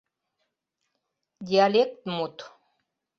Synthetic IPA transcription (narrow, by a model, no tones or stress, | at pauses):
d̪ʲialʲek̚t̪mut̪